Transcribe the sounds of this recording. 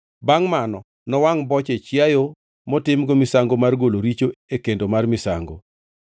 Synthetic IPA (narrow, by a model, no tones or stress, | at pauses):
baŋmanɔ | nɔwaŋbɔt͡ʃet͡ʃjajo | mɔtɪmɡɔmɪsaŋɡomarɡoloɾit͡ʃoekendomarmɪsa̰ŋɡo̰